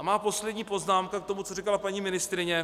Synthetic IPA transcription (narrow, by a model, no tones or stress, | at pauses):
maːpo̞slɛdɲiːpo̞znaːmkak̚t̪o̞mut͡sorikalapaɲiːmɪnɪst̪ɾɪɲɛ